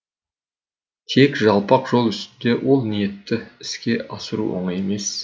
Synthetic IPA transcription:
t̪ʰe̞kʒɑlˠpɑqʒ̥o̞lˠʏst̪ɪnd̪e̞wʔo̞lˠnije̞t̪ːɪɪskʲe̞ʔɑsəɾṵʔo̰ɴəje̞me̞s

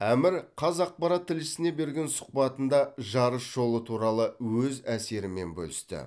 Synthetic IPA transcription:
æmɪɾqʰɑzɑq̚pɑɾɑt̪ʰːɪlɪsɪne̞be̞ɾɡʲe̞nsʊ̥q̚pɑt̪ənd̪ɑʒɑɾəsʒ̥o̞lˠət̪ʰuɾɑlˠəwɵzæse̞ɾɪme̞̰nbɵ̰lɪst̪ɪ̰

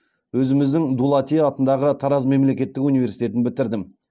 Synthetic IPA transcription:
wɵzɪmɪzd̪ɪŋd̪ulˠɑt̪ʲiɑt̪ənd̪ɑʁət̪ʰɑɾɑzme̞mle̞kʲe̞t̪ːɪkunijve̞ɾsijt̪e̞t̪ɪnbɪt̪ɪɾd̪ɪm

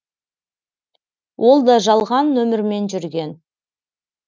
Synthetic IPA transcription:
wʔo̞lˠd̪ɑʒɑlˠʁɑnːɵmɪɾme̞nʒʏɾɡʲe̞n

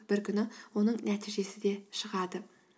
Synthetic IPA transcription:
b̥ɪɾkʲʰʏnɪwo̞nəɴnæt̪ʰiʒe̞sɪd̪e̞ʃəʁɑd̪ə

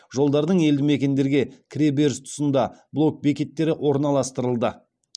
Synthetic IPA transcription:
ʒo̞lˠd̪ɑɾd̪əɴe̞ld̪ɪme̞kʲe̞nd̪e̞ɾɡʲe̞kʲʰɾʲe̞be̞ɾst̪ʰʊ̥sənd̪ɑblˠo̞k̚be̞kʲe̞t̪ːe̞ɾɪʔwʔo̞ɾnɑlˠɑst̪əɾəlˠd̪ə

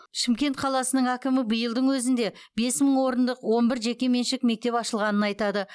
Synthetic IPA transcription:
ʃɪmkʲe̞nt̪qʰɑlˠɑsənəɴækʲɪmɪbəjəlˠd̪əɴwɵzɪnd̪e̞be̞sməɴwo̞ɾənd̪əqwo̞nbɪɾʒe̞kʲe̞me̞nʃɪkme̞k̚t̪e̞pɑʃəlˠʁɑnənɑjt̪ɑd̪ə

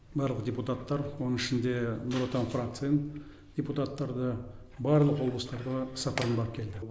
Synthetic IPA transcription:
bɑɾlˠəqdʲeput̪at̪ːɑɾwonəŋɪʃɪnd̪e̞nʊɾot̪anfrak̚t̪sɨjən | d̥̪ʲeput̪at̪ːɑɾd̪ə | bɑɾlˠəqwo̞lblˠəst̪ɑɾd̪əsɑpəɾənbɑɾəp̚kʲʰe̞ld̪ɪ

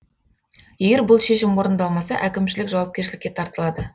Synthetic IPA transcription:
jeɡʲe̞ɾbʊlˠʃe̞ʃɪmwo̞ɾənd̪ɑlˠmɑsɑʔækʲɪmʃɪlɪkʒɑwɑp̚kʲe̞ɾʃɪlɪkʲːe̞t̪ʰɑɾt̪əlˠɑd̪ə

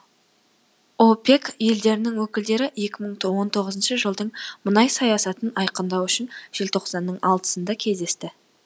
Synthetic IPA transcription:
ope̞kje̞ld̪e̞ɾɪnɪŋwɵkʲɪld̪e̞ɾɪje̞kʲɪməɴwo̞nt̪ʰo̞ʁəzənʃəʒəlˠd̪əɴmənɑjsɑjɑsɑt̪ənɑjqənd̪ɑwʏʃɪnʒ̥e̞lt̪ʰo̞qsɑnːəɴɑlˠt̪ə̥sənd̪ɑkʲʰe̞zd̪e̞st̪ɪ

